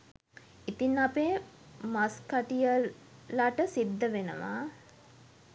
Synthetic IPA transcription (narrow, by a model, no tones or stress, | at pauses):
it̪inːapeː | maskaʈijə | laʈəsid̪ːəʋenə̰ʋa̰ː